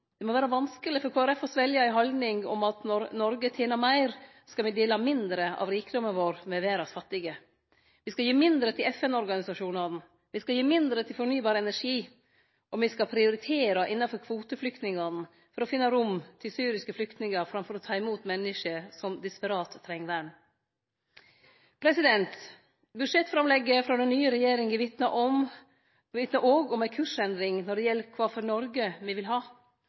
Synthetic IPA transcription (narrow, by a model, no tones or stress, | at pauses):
d̪̥ɛmɔʋæːɾəʋɑnskəlɪfɔɾkʰoːæɾɛfɔsʋɛljɑɪɦɔld̪nɪŋɔ̰mɑt̪nɔɾnɔɾɡət̪ʰeːnəɾmæɪɾ | skɑʋɪd̪eːlɑmɪnd̪ɾəɑ̰ʋɾiːkəd̪ɔmənʋoːɾmɛʋeːɾɑsfɑt̪ːɪɡə | ʋɪskɑljiːmɪnd̪ɾət̪ʰɪlɛfɛnɔɾɡɑnɪsɑʂuːnɑn̩ | ʋɪskɑljiːmɪnd̪ɾət̪ʰɪlfɔɾɳyːbɑːɾəɛnæʂiː | ʔɔmʋɪskɑpʰɾɪʊɾɪt̪ʰeːɾɑʔɪnːɑfɔɾkʰʋuːt̪əflʏkt̪nɪŋɑn̩ | fɔɾɔfɪnːəɾʊmt̪ʰɪlsyːɾɪskəflʏkt̪nɪŋəɾfɾɑmfɔɾɔt̪ʰɑːɪmuːt̪mɛnːɪʂəsɔmd̪ɪspəɾɑːt̪ʰːɾɛŋd̪æɳ | pʰɾɛsɪd̪ɛnt̪ | bʉd̪ʂɛt̪ːfɾɑmlɛɡːəfɾɑd̪ɛnːyːəɾɛjeːɾɪŋɪʋɪt̪nəʔɔm | ʋɪt̪nəʔoːɡɔmæɪkʰʉʂɛnd̪ɾɪŋnɔɖɛjɛlːkʰʋɑːfɔɾnɔɾɡəmɪʋɪlɦɑː